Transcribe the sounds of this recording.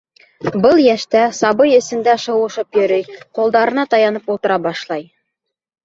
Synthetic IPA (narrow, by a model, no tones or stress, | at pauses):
bɤlˠjæʃt̪æsɑbɤjɘ̆sɘ̆nd̪æʃɤ̆wɤ̆ʃɤpjɵ̆ɾɘjqulˠd̪ɑɾɤ̆nɑt̪ɑjɑnɤpulˠt̪ɤ̆ɾɑbɑʃlˠɑj